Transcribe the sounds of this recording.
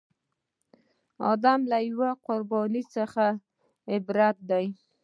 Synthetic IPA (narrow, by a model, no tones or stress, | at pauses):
ɑ̰d̪amlajwaqʊɾbɑnit͡səxa | ɪbɾat̪̚d̪aj